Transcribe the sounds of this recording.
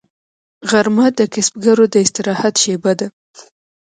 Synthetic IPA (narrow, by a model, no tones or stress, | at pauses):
ɣaɾmad̪əkɪsb̚ɡaɾod̪əɪst̪ɪɾɑhat̪ʃebad̪a